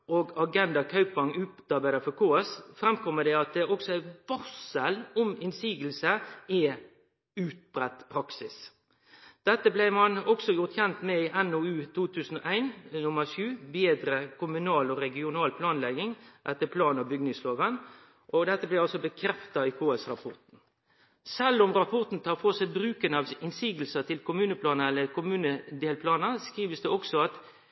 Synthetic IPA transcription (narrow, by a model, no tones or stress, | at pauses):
oɡɑɡɛnd̪ɑkʰɑʉpːɑŋʉːt̪ɑɾbæɪd̪əfɔɾkʰoːɛsfɾɛmkʰɔmːəd̪ɛɑt̪̚d̪ɛʔɔksɔæɪʋɑsəlʊmɪnsiːɡəlsəɛ | ʉːt̪̚b̥ɾɛt̪ːpʰɾɑksɪs | d̪̥ɛt̪ːəblæɪmɑnɔksɔjʊɾt̪çɛnt̪mɛɪʔɛnoʉːt̪ʰuːt̪ʰʉːsən̩ɔʔæɪnnʊməɾʃʉːbeːd̪ɾəkʰʊmʉnɑːlɔɾɛɡɪʊnɑːlpʰlɑːnlɛɡɪŋʔɛt̪ːəpʰlɑːnɑbʏɡnɪŋsloːʋən | ʔɔɡd̪ɛt̪ːəblæɪɑlsɔbəkʰɾɛft̪ɑiːkʰoːɛsɾɑpʰɔ̰ɾt̪n̩ | sɛlːʊmɾɑpʰɔɾt̪n̩t̪ʰɑːʁfɔʁsɛbɾʉːkənɑʋɪnsiːɡl̩sət̪ʰɪlkʊmʉːnəpʰlɑːnəɛlːəkʰʊmʉːnəd̪eːlpʰlɑːnəskɾiːʋəsd̪ɛɔksɔɑt̪